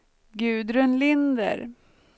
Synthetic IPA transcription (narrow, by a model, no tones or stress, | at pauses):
ɡʉ̟ːd̪ɾɵnlɪnd̪ə̰ɾ